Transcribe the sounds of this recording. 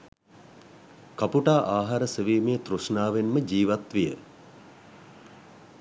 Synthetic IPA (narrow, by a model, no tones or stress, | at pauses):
kapuʈaːʔaːɦaɾəseʋiːmeːt̪ɾusnaːʋenməd͡ʒiːʋat̪ʋijə̰